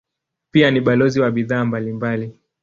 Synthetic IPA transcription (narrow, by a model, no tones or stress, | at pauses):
pianiɓalɔziwaɓiðaːmbalimbali